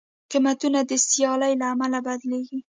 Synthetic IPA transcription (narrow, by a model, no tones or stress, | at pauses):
qimat̪unad̪əsjɑlajlaːmalabad̪leɡi